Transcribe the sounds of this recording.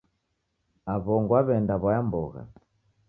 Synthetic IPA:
aβɔŋɡwaβɛndaβajambɔɣa̰

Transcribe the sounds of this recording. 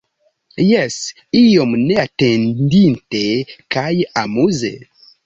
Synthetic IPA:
jɛs | ijomneatẽndintekajamuzḛ

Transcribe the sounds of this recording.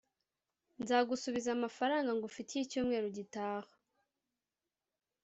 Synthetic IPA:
nzaːɡusuβizamafaɾaːŋɡaŋɡufitijicuːmŋe̞ːɾoɟitaːhḁ

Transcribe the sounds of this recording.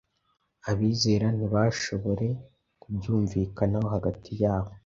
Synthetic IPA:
aβiːzeːɾan̥iβaʃo̞βo̞ɾe̞ | kubjuːɱviːkanawoɦaɡatʰijaːβo̞

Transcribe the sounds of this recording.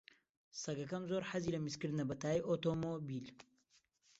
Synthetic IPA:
sɐɡɐkɐmzoːɾħaziːlɐmiskɨɾd̪ɨnɐbɐt̪aːjʔot̪omobil

